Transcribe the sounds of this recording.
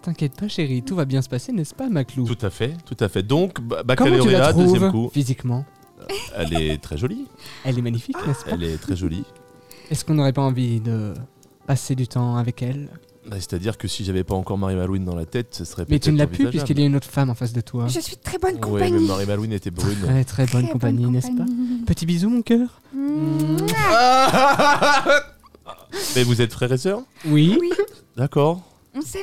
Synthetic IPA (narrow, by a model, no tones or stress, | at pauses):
t̪ɛ̃kʲjɛt̪̚paʃeʁit̪uvabjɛ̃sə̥pasenɛspamaklutut̪afɛt̪ut̪afɛd̪ɔ̃kbbakɔmɑ̃tylaadχumvkufizikmɑ̃ | ɛ̰lɛt̪χɛʒɔliɛlɛmaɲifiknɛspɛa̰lɛt̪χɛʒɔli | ɛskɔ̃noʁɛpaɑ̃vid̪ə | pased̪yt̪ɑ̃avɛkɛl | base̥t̪ad̪iʁkəsiʒavɛpaɑ̃kɔʁmaʁimalwind̪ɑ̃la̰t̪ɛt̪səsəʁɛmɛt̪ynəlaplypɥiskɛljaynot̪χə̥famɑ̃fas̬d̪ət̪waʒəsɥit̪χɛbɔnkwɛpɲmaʁimalwinet̪ɛbʁynɛt̪χɛbɔnkɔ̃paɲinɛspapət̪ibizumɔ̃kʲœːʁ | bɛvuzɛt̪fχɛʁesœːʁwi | d̪akɔʁ | ɔ̃sɛ